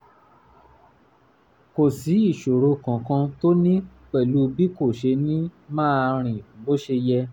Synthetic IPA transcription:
ko˨si˨˦i˦˨ʃo˨ɾo˧kã˨kã˧to˦nĩ˦k͡pɛ˦˨lu˦bi˦ko˦˨ʃe˧nĩ˦mãː˦ɾ̃ĩ˨ɡ͡bo˦ʃe˧jɛ˧

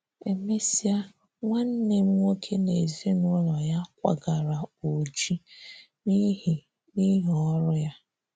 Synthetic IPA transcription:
e˨me˦si˦a˦ | ŋʷa˦n̩˦ne˨m̩˦ŋo˦kʰe˦ne˨zi˦nʊ˦lɔ˨ja˦kʷa̰˨ɡa˨ɾa˨o˨d͡ʒi˦ | ni˦ɦi˨ | ni˦ɦɔ˦ɾʊ˦ja˦

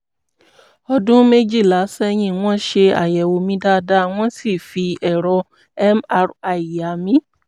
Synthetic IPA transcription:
ɔ˧dũ˦me˦d͡ʒi˦˨la˨˦sɛ˦˧j̃ĩ˧˨w̃ɔ̃˦ʃe˧a̰˨jɛ˨wo˧mĩ˧˦da˦da˦w̃ɔ̃˦si˦˨fi˧ɛ˨ɾɔ˧ | ɛ˦ma˧ɾa˨i˨ja˨mĩ˦

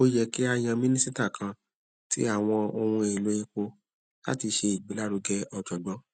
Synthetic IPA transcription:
o˦jɛ˧˨ki˦a˧j̃ã˧mĩ˦nĩ˦si˦ta˦˨kʰã˧ | ti˦a˦˨w̃ɔ̃˧o˧hũ˧e˨lo˨˦ĩ˧k͡po˧ | la̰˦ti˧ʃe˧i˨ɡ͡bi˨˦la˦ɾu˨˧ɡɛ˧˦ɔ˨d͡ʒɔ˨ɡ͡bɔ˨˦

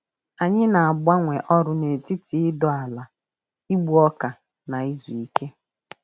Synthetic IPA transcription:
a˨ɲɪ˦na˨a˨ɡ͡ba˦ŋʷe˨ʔɔ˦ɾʊ˦ne˨ti˦ti˨ɪ˦dɔ˨a˨la˨ | i˦ɡ͡bu˦ɔ˦ka˨ | na˨i˦zu˨i˦ke˦

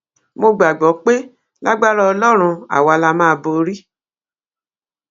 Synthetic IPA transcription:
mo˧ɡ͡ba˨ɡ͡bɔ˨˦k͡pe˦ | la˦ɡ͡ba˦ɾɔ˦ɔ˧lɔ˦ɾ̃ũ˧a̰˨wa˧la˧mã˦˧bo˧ɾi˦

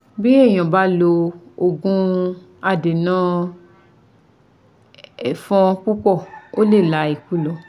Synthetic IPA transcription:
bi˦ɛ˦˨j̃ã˨ba˨˦lo˧o˨ɡũ˧ | a˧de˨nã˦ | ɛ˨fɔ̃˧ku˦kɔ˦˨o˦le˦˨la˨˦i˨ku˦˨lɔ˨

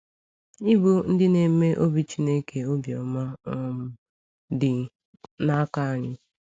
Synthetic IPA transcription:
ɪ˦bu˦n̩˦dɪ˦ne˨˦me˦ʔo˦bi˦t͡ʃi˦ne˦ke˨o˦bjɔ˨ma˦ɔ˦m̩˨ | dɪ˨ | na˦ka˦a˨ɲɪ˦

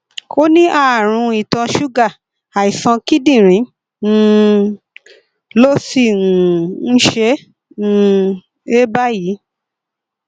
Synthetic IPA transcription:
ko˦nĩ˦ʔa˦˨ɾ̃ũ˧i˨tã˧ʃu˦ɡa˦˨ | a˨i˨sã˧ki˦dĩ˦˨ɾ̃ĩ˨˦ | ñ̩˧˦ | lo˦si˦˨ũ˨n̩˦ʃẽ˦˧ | e˦ba˦ji˨˦

